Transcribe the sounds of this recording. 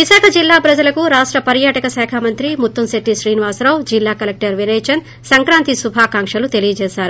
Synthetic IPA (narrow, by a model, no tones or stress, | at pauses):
ʋisaːkʰɐd͡ʒilːaːbɾɐd͡ʒɐlɐkuɾaːʂʈɾɐpɐɾjaːʈɐkɐsɛːkʰaːmɐnt̪ɾimut̪ːumseʈːiʃɾiːniʋaːsɾɐwd͡ʒilːaːkɐlek̚ʈɐɾʋineːt͡ʃɐn | sɐŋkɾaːnt̪isubʱaːkaːŋʂɐlut̪elijɐd͡ʒɛːʃaːɾu